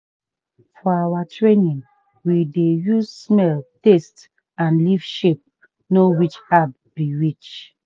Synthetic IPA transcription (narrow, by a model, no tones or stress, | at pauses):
fɔawatʰɹenĩn | widejuzsmɛltest | ãnlivʃep̚ | nowit͡ʃhab | b̥iɹit͡ʃ